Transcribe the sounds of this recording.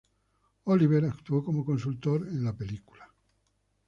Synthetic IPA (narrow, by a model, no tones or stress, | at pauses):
oliveɾakt̪uokomokonsult̪oɾenlapeliku̥la